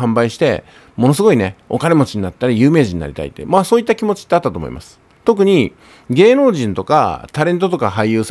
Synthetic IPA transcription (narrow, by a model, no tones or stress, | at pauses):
ãmbaiɕi̥t̪e̞̰ | mo̞nos̬ɨɡo̞ine̞o̞̰kane̞mo̞t͡ɕiɲ̟nat̪ːaɾʲijɯ̟ːme̞ːʑiɲ̟ina̰ɾʲit̪a̰ḭt̪ːḛmaːso̞ːit̪ːakʲimo̞t͡ɕi̥t̪ːeat̪ːat̪oːmo̰ḭma̰sɨ̥ | t̪o̞k̬ɯ̟ɲ̟i | ɡe̞ːno̞ːʑĩnt̪o̞ka̰t̪aɾẽ̞nt̪̬o̞t̪o̞kaɦaijɯ̟ːs